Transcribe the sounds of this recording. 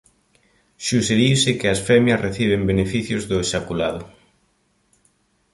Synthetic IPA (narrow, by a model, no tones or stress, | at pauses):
suʃeðiwsɪkɪɐsfɛmjɐsreθiβ̞embenefiθjʊzðʊeʃakulaðʊ